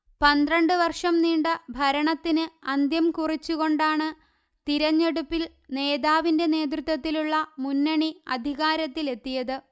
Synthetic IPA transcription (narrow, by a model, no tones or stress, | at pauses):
pɐnd̪rɐɳɖɨʋɐrʂɐmniːɳɖɨbʱɐɾɐɳɐt̪ːinɨɐnd̪jɐmkurit͡ɕːuɣo̞ɳɖaːɳɨ | t̪iɾɐɲːe̞ɽupːil | ne̞ːðaːʋinde̞ne̞ːd̪rut̪ʋɐt̪ːiluɭːɐmunːɐɳiɐd̪ʱiɣaːɾɐt̪ːile̞t̪ːijɐðɨ